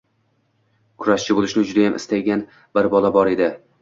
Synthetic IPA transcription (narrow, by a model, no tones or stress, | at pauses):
kʰʊɾaʃt͡ʃʰɪbolɪʃnɪd͡ʒʊd̪ajamʔɪ̰st̪ajɡʲan | bɪɾbɒlabɒɾe̞d̪ɪ